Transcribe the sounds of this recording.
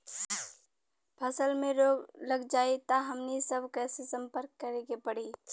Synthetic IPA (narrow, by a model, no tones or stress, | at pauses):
pʰɐsəlmẽɾoːɡləɡd͡ʒaːet̪aɦɐmnesəbkɛːsesɐ̃mpəɾkːəɾeːɡepɐɽiː